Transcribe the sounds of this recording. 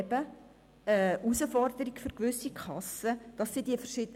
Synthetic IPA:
bə | əusəfɔrdəɾikføɾkʋʏsikʰχɑsəd̥ɑsːidiəfərʃɪdə

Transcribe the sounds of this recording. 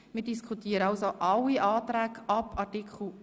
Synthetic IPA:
mɪːɾdiskʰχutiːəɾəɑwsoʔɑlːiʔɑːt̪ɾæːkɑpʰɑrtikʰl̩

